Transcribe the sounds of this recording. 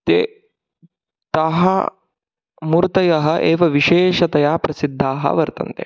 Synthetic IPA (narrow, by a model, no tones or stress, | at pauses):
t̪eː | t̪aːɦɐ̰ | muɾt̪ɐjɐɦɐ̆ʔeːʋɐʋiʃeːʃɐt̪ɐjaːpɾɐsid̪ʱːaːɦɐ̰ʋɐɾt̪ɐ̰nt̪ḛ